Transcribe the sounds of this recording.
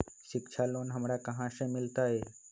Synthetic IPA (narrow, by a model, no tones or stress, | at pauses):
ʃɪkt͡ʃʰaloːnɦəmɾakəɦãsẽmɪlt̪aɦeː